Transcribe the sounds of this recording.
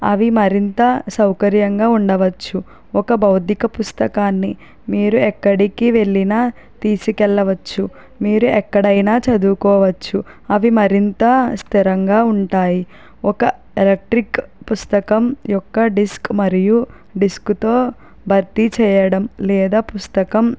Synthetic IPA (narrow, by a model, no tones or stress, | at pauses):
ɐ̰ʋimɐɾint̪ɐsɐwkɐɾjɐŋɡaːuɳɖɐʋɐt͡ʃːu | ɔkɐbɐwd̪ikɐpust̪ɐkaːnːi | miːɾuɛkːɐɽikiʋe̞ɭːinaː | t̪iːsikɛɭːɐʋɐt͡ʃːu | miːɾuɛkːɐɽɐjnaːt͡ʃɐd̪uːkɔːʋɐt͡ʃːu | ɐʋimɐɾint̪ɐst̪ʰiɾɐŋɡaːuɳʈaːji | ɔkɐ | elek̚ʈɾikpust̪ɐkɐmjɔkːɐɖiskmɐɾiju | ɖiskut̪o̞ː | bʱɐɾt̪it͡ʃɛːjɐɽɐmlɛːd̪aːpust̪ɐkɐm